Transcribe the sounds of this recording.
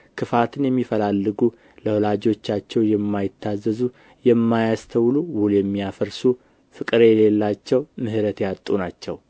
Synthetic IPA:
kʰɨfat̪ʰɨnjɛmːifəlalːɨɡu | ləwolad͡ʒo̞t͡ʃːat͡ʃːɛwjɛmːajɪt̪ʰːazːəzu | jɛmːajast̪ʰəwluwuljɛmːiafəɾsu | fɨkʼɨɾejle̞lːat͡ʃːɛwmɨhɾət̪jat̪ʼːunat͡ʃːɛ̰w

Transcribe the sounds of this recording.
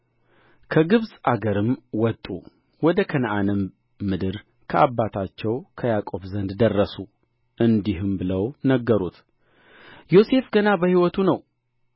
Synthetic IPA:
kʰəɡɨβsʼaɡəɾɨmwɔt̪ʼːṵ | wɔd̪əkʰənəʔanəmː | ɨd̪ɨɾ | kʰəʔabːat̪ʰat͡ʃːɛwkʰəjakʼo̞βzənd̪d̪ərːəsu | ʔɨnd̪iɦɨmbɨləwnəɡːəɾut̪ | jo̞se̞fɡənabəhiwɔt̪ʰunəw

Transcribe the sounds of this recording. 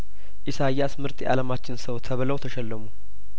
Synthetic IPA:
ʔɪsajːasmɨɾt̪ʼiʔa̰ləmat͡ʃːɪnsəwt̪ʰəβləwt̪ʰəʃɛlːəmu

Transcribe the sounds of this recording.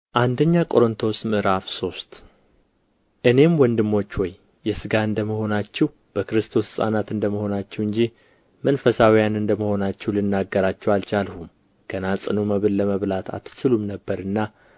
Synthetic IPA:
ʔand̪əɲːakʼo̞ɾɨnt̪ʰo̞smɨɾafso̞st̪ | ʔɨne̞mwɔnd̪ɨmːo̞t͡ʃːwɔj | jɛsɨɡaɨnd̪əməho̞nat͡ʃːɛw | b̥əkɨɾɨst̪ʰo̞ssʼa̰nat̪ɨnd̪əməho̞nat͡ʃːɛwɨɲd͡ʒi | mənfəsawijanɨnd̪əməho̞nat͡ʃːɛwlɨnːaɡːəɾat͡ʃːɛwalt͡ʃalhum | ɡ̥ənasʼɨnuməβɨlːəməβlat̪ʰa̰t̪ʰːɨ̥sɨlumnəbːəɾɨnːa

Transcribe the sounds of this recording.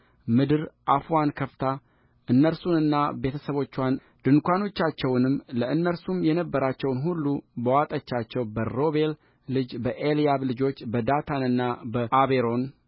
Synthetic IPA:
mɨd̪ɨɾʔafuankʰəft̪ʰa | ʔɨnːəɾsunɨnːabe̞t̪ʰəsəβo̞t͡ʃːwan | d̪̥ɨŋkʷano̞t͡ʃːat͡ʃːɛwnɨmləʔɨnːəɾsumjɛnəbːəɾat͡ʃːɛwnɦulːubəwat̪ʼət͡ʃːat͡ʃːɛwbəɾo̞βe̞l | lɨd͡ʒbəʔelijaβlɨd͡ʒo̞t͡ʃːbəd̪at̪ʰanɨnːabəʔaβe̞ɾo̞n

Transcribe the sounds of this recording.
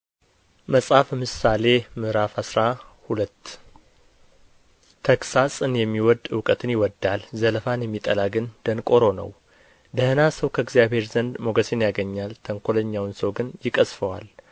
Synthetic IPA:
məsʼhafmɨsale̞mɨɾafasɾahulət̪ː | t̪ʰəksasʼɨnjɛmːiwɔd̪ɨwkʼət̪ʰɨnjɪwɔd̪ːalzələfanjɛmːit̪ʼəlaɡɨnd̪̥ənkʼoɾo̞nə̰w | d̪əhɨnasəwkʰəɡzjaβhe̞ɾzənd̪mo̞ɡəsenjaɡəɲːalt̪ʰəŋkʰo̞ləɲːawnsəwɡɨnjɪkʼəsfəwa̰l

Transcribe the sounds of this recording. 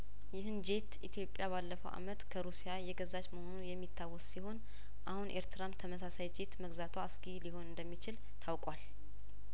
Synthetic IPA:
jɪhɨnd͡ʒe̞t̪ʔit̪ʰjo̞pʼːjaβalːəfəwʔa̰mət̪kʰəɾusijajɛɡəzat͡ʃməho̞nujɛmːit̪ʰːawːɔssiho̞n | ʔahunʔeɾt̪ʰɨɾamt̪ʰəməsasajd͡ʒe̞t̪məɡzat̪ʰwaskʼiliho̞nɨnd̪əmːit͡ʃɪl | t̪ʰawkʼwal

